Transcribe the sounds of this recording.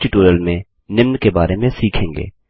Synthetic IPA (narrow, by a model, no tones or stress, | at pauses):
t͡ʃɪʈoːɾiəlmẽ | nɪmnkebaːɾemẽsiːkʰẽːŋɡḛː